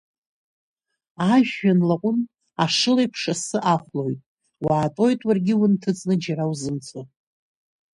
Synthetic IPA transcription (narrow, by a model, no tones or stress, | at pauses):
aʒᶣanlaqʷʼʊn | aʂɨlejpʰʂasɨʔaχʷlo̞jtʼ | waːtʼo̞jtʼwarɡʲɪwʊntʰɨt͡sʼnɨd͡ʒaɾawzɨmt͡sʼo